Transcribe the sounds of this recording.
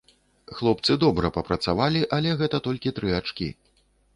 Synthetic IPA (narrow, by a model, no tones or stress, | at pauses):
xlˠɔp̚t̪sɨd̪ɔbɾɐpɐpɾɐt̪savalʲiʔɐlʲɛɣɛt̪ɐt̪ɔlʲkʲit̪ɾɨat͡ʂkʲḭ